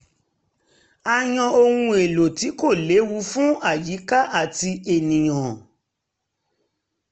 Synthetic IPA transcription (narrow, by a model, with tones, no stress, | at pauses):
a˧j̃ɔ̃˧o˧hũ˧e˨lo˨ti˨˦ko˦˨le˨˦wu˨˧˦fũ˦a˦˨ji˨˦ka˦ʔa˦˨ti˧e˨nĩ˨j̃ɔ̃˨